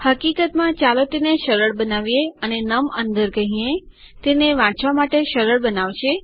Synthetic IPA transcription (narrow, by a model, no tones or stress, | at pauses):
həkikət̪mãt͡ʃalot̪eneʃəɾəɭbənaʋijeənenəmənd̪əɾkəɦĩe | t̪eneʋãt͡ʃʋamaʈeʃəɾəɭbənaʋt͡ʃʰe